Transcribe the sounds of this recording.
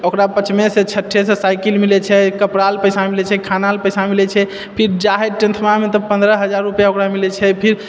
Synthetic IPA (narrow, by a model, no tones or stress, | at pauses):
okɾapət͡ʃʰmeset͡ʃʰəʈʰːesesajkilmilɛt͡ʃʰɛkəpɾalpəjsamilɛt͡ʃʰɛkʰanalpəjsamilɛt͡ʃʰɛ | pʰiɾd͡ʒaɦɛʈĩnt̪ʰmamet̪əpə̃nd̪ɾəɦəd͡ʒaɾːupjaokɾamilɛt͡ʃʰɛpʰiɾ